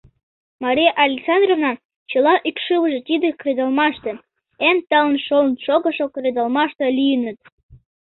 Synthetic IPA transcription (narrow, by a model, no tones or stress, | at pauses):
mɑɾʲijeʔɑlʲeksɑnd̪rovnɑ | t͡ɕəlɑʔykʃɨwəʒĕt̪ʲid̪ĕkrʲed̪ɑlˠmɑʃt̪ĕ | emt̪ɑlənʃolnʃoɣəʃokɾʲed̪ɑlmɑʃt̪ɤlijənət̪̚